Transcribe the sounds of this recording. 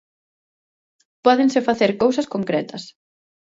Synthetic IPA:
pɔðẽŋsɪfaθeɾkowsɐskoŋkɾɛt̪ɐs

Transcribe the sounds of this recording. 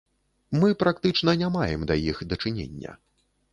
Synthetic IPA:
mɨpɾakt̪ɨt͡ʂn̪ɐnʲamajɛmd̪ɐjixd̪ɐt͡ʂɨnʲḛnʲːɐ̰

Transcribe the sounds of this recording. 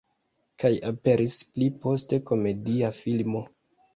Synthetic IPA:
kajape̞ɾʔisplipo̞ste̞ko̞me̞diafilmo

